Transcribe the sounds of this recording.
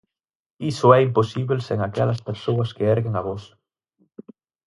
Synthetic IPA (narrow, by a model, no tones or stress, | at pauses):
isʊɛimposiβelseŋakɛlɐspeɾsowɐskeɛɾɣeŋaβos